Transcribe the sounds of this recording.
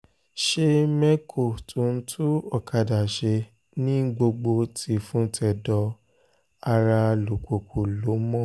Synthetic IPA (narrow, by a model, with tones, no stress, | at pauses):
ʃe˧mɛ˦kʰo˨tũ˨˦˨n̩˦tʰu˦ɔ˦˨ka˧da˨ʃe˧ | nĩ˦ɡ͡bo˧ɡ͡bo˧tʰi˧˦fũ˦tʰɛ˦˨dɔ˧ | a˧ɾa˧lo˨ko˨ku˨lo˨˦mɔ̃˦˨